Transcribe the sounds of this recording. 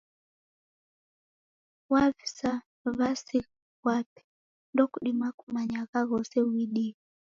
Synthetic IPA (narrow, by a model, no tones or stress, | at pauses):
wavi̥sa | vasi | wapi̥ | ndɔkuɗimakumaɲaɣaɣɔsɛwiɗi